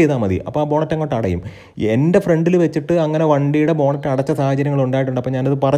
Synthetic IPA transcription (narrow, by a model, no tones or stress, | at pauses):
ejðaːmɐðḭɐ̰pːobo̞ːɳɐtːɐŋːoːʈːɐɽɐ̰jṵm | e̞̰nde̞freɳɖilʋet͡ɕːiʈːɨɐŋːɐne̞ʋɐɳɖijuɽe̞bo̞ːɳɐtːɐɐɽɐt͡ɕːɐsaːhɐd͡ʑɐɾjɐŋːɐɭuɳɖaːjiʈ̬ːuɳɖɐpːomɲaːnɐðɨpɐrɐ